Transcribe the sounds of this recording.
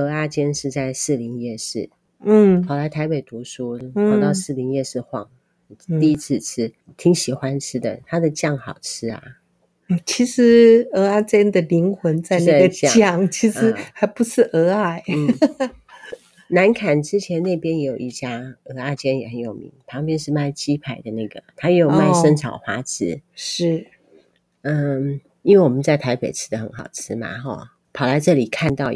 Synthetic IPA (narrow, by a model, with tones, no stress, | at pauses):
ɤ˧˥a˥˩t͡ɕjɛ˥nʂɻ̩˥˧t͡sa˥˧ɪʂɻ̩˥˩li˧˥njɛ˥˧ʂɻ̩˥˩˥ | t̪ʰɑ˨˩ʊla˨˧˥ɪt̪ʰa˧˥ɪpe˨˩ɪt̪u˧˥ʂu˥˨˥t̪ɑ˥˧ʊʂɻ̩˥˩li˧˥njɛ˥˧ʂɻ̩˥˧xwɑ̰˥˩ŋ | t̪i˥˧i˦˥t͡s̩ʰ˥˧t͡s̩ʰ˥˩ | t̪ʰi˧˥ŋɕi˨˩xwa˦nʈ͡ʂʰɻ̩˥d̪ə̰˨t̪ʰa˥d̪ə˨t͡ɕjɑ˥˩ŋxɑ˨˩ʊʈ͡ʂʰɻ̩˥a̰˩˨˩ | t͡ɕʰi˧˥ʂɻ̩˧˥ə˧˥a˥t͡ɕjɛ˥nd̪ə˨li˧˥ŋxwə˧˥nt͡sa˥˧ɪna˥˧˩ɡə˨t͡ɕjjɑ˥˩ŋt͡ɕʰi˧˥ʂɻ̩˧˥xa˧˥ɪpu˧˥ʂɻ̩˥˩ʔə˧˥a˥˩ɪm̩˥˩ | na˧˥nkʰa˨˩nʈ͡ʂɻ̩˥t͡ɕʰjɛ˧˥nnːe˥˩ɪpjɛ˥njɛ˧jo˨˩i˥˩t͡ɕja˥ɤ˧˥a˥˧˩ɪt͡ɕjɛ˥njɛ˨˩xə˧˦njo˨˩ʊmḭ˧˥ŋpʰɑ˧˥ŋpjɛ˥nʂɻ̩˥˧ma˥˩ɪt͡ɕi˥pʰa˨˩ɪd̪ə˦na˥˩ɡə̰˩t̪ʰa˥jɛ˧˥jo˨˩ma˥˧ɪə˥ŋʈ͡ʂʰɑ̰˨˩ʊxwa˧˥t͡s̩˧˥ʂɻ̩˥˩ | ə˥˧ | i˥nwe˥˩ɪwɔ˨˩mə˦nt͡sa˥˩ɪt̪ʰa˧˥ɪpe˨˩ɪʈ͡ʂʰɻ̩˧˥d̪ə˨xə˧˥nxɑ˨˩ʊʈ͡ʂʰɻ̩˧˥ma̰˧xɔ̰˥˩ | pʰɑ˨˩ʊla˧˥ɪʈ͡ʂɤ˥˩li˨˩kʰa˥˧nt̪ɑ˥˩ʊ